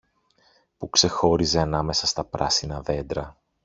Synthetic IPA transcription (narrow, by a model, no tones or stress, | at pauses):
pukse̞xo̞ɾize̞ɐnɐme̞sɐst̪ɐpɾɐsinɐðe̞nd̪ɾɐ